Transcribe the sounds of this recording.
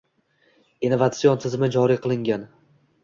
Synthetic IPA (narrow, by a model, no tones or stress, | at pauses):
ɪnovat̪siont̪ʰɪzmɪd͡ʒɒɾiqʰɨlˠɪŋɡʲan